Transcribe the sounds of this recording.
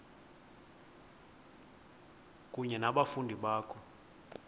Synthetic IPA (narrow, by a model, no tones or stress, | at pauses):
k̬ʼuɲɛnaɓafundʱiɓaːkʰɔ